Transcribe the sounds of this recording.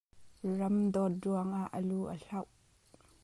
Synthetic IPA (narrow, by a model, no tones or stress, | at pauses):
rɐmd̪ɔt̚ruɐŋaʔːəluːʔə̰ɬɐwʔ